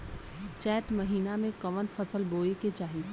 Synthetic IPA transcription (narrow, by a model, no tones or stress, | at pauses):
t͡ʃɛːt̪mɐɦiːnamẽkɐʋənfɐsəlboːeket͡ʃaːɦi